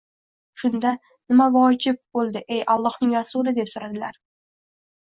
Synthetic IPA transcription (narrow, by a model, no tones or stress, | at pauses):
ʃʊnd̪a | nɪmavɒd͡ʒɪp̚bolˠd̪ɪʔejʔalˠːɒhnɪŋɾasulɪd̪e̞psoɾad̪ɪlaɾ